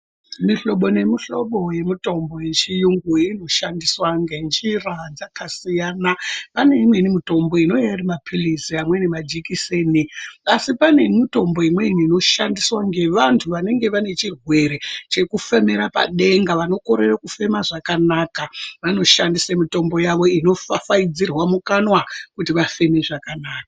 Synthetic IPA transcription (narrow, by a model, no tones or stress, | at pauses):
miɬo̞ɓo̞ne̞miɬo̞ɓo̞je̞mito̞mbo̞jent͡ʃijuŋɡuino̞ʃandiswaŋɡent͡ʃirad͡zakasijaːnapane̞imwe̞nimito̞mbo̞ino̞jaɾimapʰilisiamwe̞nemad͡ʒikiseniasipane̞mito̞mbo̞imwe̞iniːno̞ʃandiswaŋɡe̞ʋantʰuʋane̞ŋɡe̞ʋane̞t͡ʃirwe̞ɾe̞t͡ʃe̞kufemeɾapa̰ɗe̞ŋɡaʋano̞ko̞ɾe̞rakufe̞maʐakanaːkaʋano̞ʃandisamito̞mbo̞jaʋo̞ino̞fafaid͡zirwamukanwakutiʋafe̞me̞ʐakanaːkḁ